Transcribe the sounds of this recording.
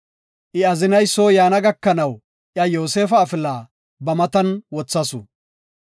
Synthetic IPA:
ʔɪɐzɪnɐjsoːjaːnɐɡɐkːɐnɐw | ʔjɐjoːse̞ːfɐːfɪlaː | bɐmɐt̪ɐnwɔt͡sːɐsʊ̰

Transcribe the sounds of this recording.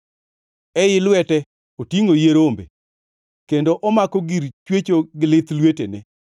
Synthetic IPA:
ɛjɪlwɛtɛ | otiŋojeɾombḛ | kendoʔɔmakoɡiɾt͡ʃwet͡ʃoɡɪlɪt̪lwetḛnɛ

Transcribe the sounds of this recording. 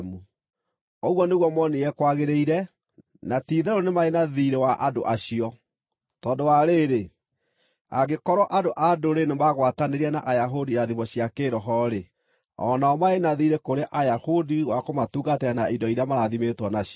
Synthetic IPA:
mu | oɣwɔneɣwɔmɔneɛkwaɣeɾeiɾɛ | natiðɛɾonemaenaðiɾewaʔa̰do̰ʔaɕiɔ | tɔːdowaɾeːɾe | a̰ɡekɔɾɔʔadoʔadoɾenemaɣwataneɾiɛnaʔajaɦodiɾaðimɔɕijakeɾɔɦɔɾe | ɔ̰naɔmaenaðiɾekoɾeʔajahodiɣwakomatuːɣatɛanaidɔiɾeamaɾaðimetwɔnaɕ

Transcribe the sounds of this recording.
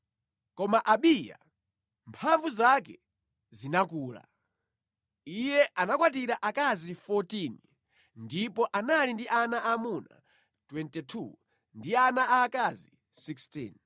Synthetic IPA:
kɔmaʔaɓiːja̰ | mpʰaɱvuzakɛ̰ | zinakuːla̰ | ijɛʔanakwatiɾaʔakazifɔtin | ndipɔʔanalindiʔanaʔamuna̰ | twɛntɛtʰṵ | ndianaaːkazi | sikstḭn

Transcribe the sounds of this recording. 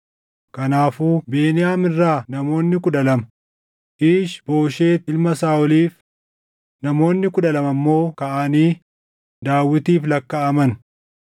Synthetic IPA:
kɐnaːfuːbe̞ːnɪjaːmɪrːaːnɐmo̞ːnːɪkʊᶑɐlɐmɐ | ʔɪːʃbo̞ːʃe̞ːt̪ɪlmɐsaːʊliːf | nɐmo̞ːnːɪkʊᶑɐlɐmɐmːo̞ːkɐʔaːniː | d̪aːwːɪt̪iːflɐkːɐɐmɐn

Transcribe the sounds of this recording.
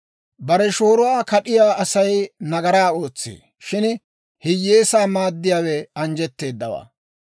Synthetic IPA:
bɐɾɛʃo̞ːɾʊwaːkɐɗɪjaːɐsɐjnɐɡɐɾaːo̞ːt͡sːḛː | ʃɪn | hɪjːeːsaːmaːd̪ːɪjaːwɛɐnd͡ʒɛt̪ːe̞ːd̪ːɐwa̰ː

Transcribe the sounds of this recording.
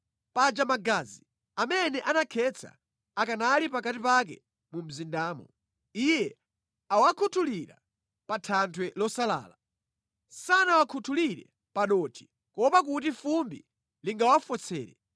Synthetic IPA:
pad͡ʒamaɡazi | amɛnɛʔanakʰɛt͡sʰa̰ | akanalipakatipak̬ɛ̰ | mum̩zindaːmɔ | ijɛ | awakʰutʰuliɾa̰ | patʰantʰwɛlɔsala̰ːla | sanawakʰutʰuliɾɛ̰ | paɗɔtʰi̥ | kɔpakut̬ifumbḭ | liŋɡawafɔt͡sʰɛ̰ːɾɛ

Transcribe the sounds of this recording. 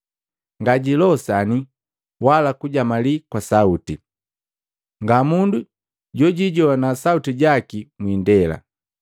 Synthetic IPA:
ŋɡaɟilɔsani | walakuɟamalikwasauti | ŋɡamundu | ɟɔɟiɟɔwanasautiɟakimwindɛla̰

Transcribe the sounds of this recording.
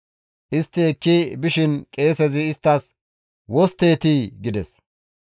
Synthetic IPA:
ʔɪst̪ːɪɛkːibɪʃɪnkʼe̞ːsɛzɪːst̪ːɐs | wɔst̪e̞ːt̪iːɡɪd̪ɛs

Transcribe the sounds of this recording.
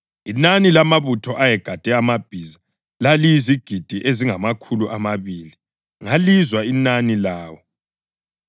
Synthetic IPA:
inanilamaβutʰɔʔajɛɡ̥ʱad̥ʱɛamab̥ʱiza | lalijiziɡ̥ʱid̥ʱiʔeziŋamakʰuluʔamaβiːli | ŋalizwainanilaːwɔ

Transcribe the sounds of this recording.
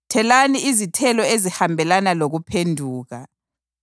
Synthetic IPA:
tʰɛlaniizitʰɛlɔezihambʱɛlanaloɣupʰendʱuːɣa

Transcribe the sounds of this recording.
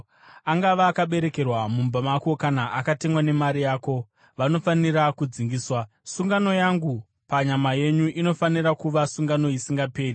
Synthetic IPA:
aŋɡaʋaːkaɓe̞ɾe̞ke̞rwamumbamako̞kanaʔakate̞mwane̞maɾijaːko̞ | ʋano̞fanirakud͡ziŋɡiːswa | suŋɡano̞jaŋɡu | paɲamaje̞ɲuʔino̞fanirakuʋasuŋɡano̞isiŋɡape̞ːri

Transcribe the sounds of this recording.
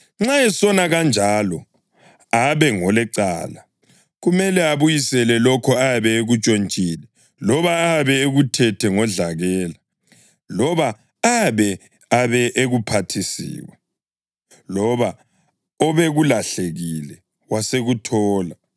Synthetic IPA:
ŋ͡ǁaɛsɔnaɣand͡ʒʱalɔ | aβɛŋɔlɛǀa̰ːla | ɣumɛlɛaβujisɛlɛlɔkʰɔaβɛeɣut͡ʃʼont͡ʃʼiːlɛ | lɔβaaβɛeɣutʰɛtʰɛŋɔɮaɣɛːla | lɔβa | aβɛ | aβɛʔeɣupʰatʰisḭːwɛ | lɔβa | ɔβeɣulaɬeɣilɛ | waseɣutʰɔːla

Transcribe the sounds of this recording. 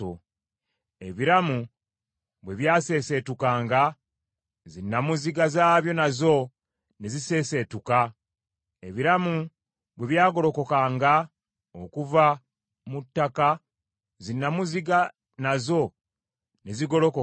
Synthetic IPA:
o | e̞βiɾamu | βwe̞βjaːse̞se̞tukaːŋɡa | zinːamuziɡazaːβjo̞nazo̞ | ne̞zise̞ːse̞ːtuka | eβiɾamu | βwe̞βjaːɡo̞ɾo̞ko̞kaːŋɡa | okuva | mutːaka | zinːamuziɡa | nazo̞ | ne̞ziɡo̞lo̞ko

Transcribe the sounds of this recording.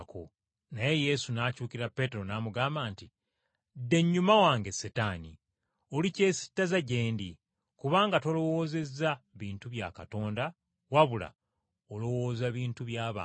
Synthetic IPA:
ko̰ | naje̞je̞sunaːcuːkiɾapːe̞ːte̞ɾo̞naːmuɡaːmbaːnti | dːe̞ɲːumawaːŋɡe̞setanḭ | olice̞ːsi̥tːazaɟe̞ːndi | kuβaːŋɡato̞lo̞wo̞ːze̞zːaβiːntuβja̰ːkato̞ːnda | waβula̰ | olo̞wo̞ːzaβiːntuβjaːβa̰

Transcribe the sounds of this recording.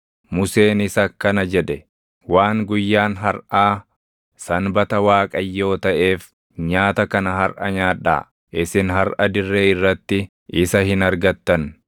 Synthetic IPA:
mʊse̞ːnɪsɐkːɐnɐd͡ʒɛᶑ̪ɛ | waːŋɡʊjːaːnɦɐɾʔaː | sɐnbɐt̪ɐwaːkʼɐjːo̞ːt̪ɐʔe̞ːf | ɲaːt̪ɐkɐnɐɦɐɾʔɐɲaːᶑːa̰ː | ʔɪsɪnɦɐɾʔɐd̪ɪrːeːɪrːɐt̪ːɪ | ʔɪsɐhɪnɐɾɡɐt̪ːɐn

